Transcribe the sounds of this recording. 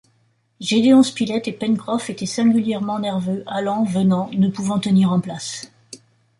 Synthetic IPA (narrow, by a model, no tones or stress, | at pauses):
ʒed̪eɔ̃spilɛt̪epɛnkχɔfet̪ɛsɛ̃ɡʲyljɛʁmɑ̃nɛʁvøʔalɑ̃vənɑ̃nəpuvɑ̃t̪əniʁɑ̃plas